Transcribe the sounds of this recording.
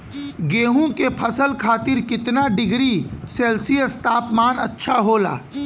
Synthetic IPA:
ɡeːɦũkepʰɐsəlkʰaːt̪ɪɾkɪt̪naɖɪɡɾiseːlsijəst̪aːpmaːnɐtːʃʰaɦoːla̰ː

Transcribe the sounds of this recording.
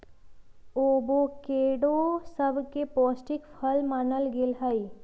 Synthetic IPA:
oːbokeːɽosəbkepɔːsʈɪkpʰəlmaːnəlɡɪlɦəi

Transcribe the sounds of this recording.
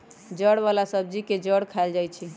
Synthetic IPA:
d͡ʒəɽβalasəb̚d͡ʒiked͡ʒəɽkʰaeld͡ʒajt͡ʃʰi

